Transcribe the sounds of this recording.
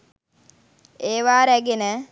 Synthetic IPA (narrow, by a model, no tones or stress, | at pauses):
eːʋaːɾæɡenə